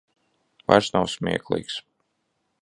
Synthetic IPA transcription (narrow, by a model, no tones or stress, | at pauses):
va̰ɾsnawsmʲiɛklˠḭːks